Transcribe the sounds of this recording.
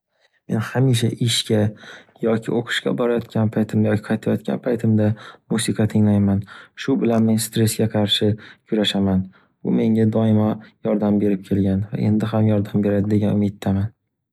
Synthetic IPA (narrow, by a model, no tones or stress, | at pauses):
me̞nhamiʃ̬a̰ʔɪʃkʲajɒkʲʰɪoqʰɨ̥ʃkʲa̰bɒɾajɒt̪kʲʰanpʰajt̪ʰɪmd̪jɒkʲʰɪ̥qʰɑjt̪ʰajɒt̪̚kʲa̰npʰajt̪ʰɪmd̪amusɨqʰɑt̪ʰɪŋlajmanʃʊbɪlanme̞nst̪ɾe̞sɡʲaqʰɑɾʃɪkʲʰʊɾaʃaman | bʊ̰me̞ŋʲad̪ɒɪmajɒɾd̪ambe̞ɾɪp̚kʲʰe̞lɡʲanva̰ʔe̞̰nd̪ɪɦamjɒɾd̪ambe̞ɾad̪ɪd̪e̞ɡʲanʊmɪt̪ʰːaman